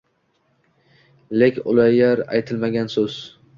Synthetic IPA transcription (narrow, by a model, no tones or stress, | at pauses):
lekʲʊ̰lˠajaɾa̰jt̪ʰɪlmaɡʲansɵz̥